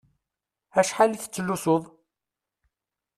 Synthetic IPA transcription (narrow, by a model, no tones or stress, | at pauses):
æʃħalθə̥t͡sːəlːusoðˤ